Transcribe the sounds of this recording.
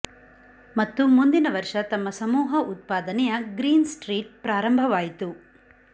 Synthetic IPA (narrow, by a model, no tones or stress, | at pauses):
mɐt̪ːumund̪inɐʋɐɾʂɐt̪ɐmːɐsɐmuːɦɐʔut̪̚paːd̪ɐnɛjɐɡɾiːnsʈɾiːʈ̚pɾaːɾɐmbʱɐʋaːjit̪u